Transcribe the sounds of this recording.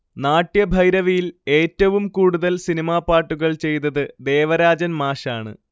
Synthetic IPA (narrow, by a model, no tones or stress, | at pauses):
naːʈːjɐbʱɐjɾɐʋijile̞ːtːɐʋumkuːɽuðɐlsinimaːpːaːʈːuɣɐɭt͡ɕe̞jt̪ɐðɨd̪e̞ːʋɐɾaːd͡ʑɐnmaːɕaːɳɨ̰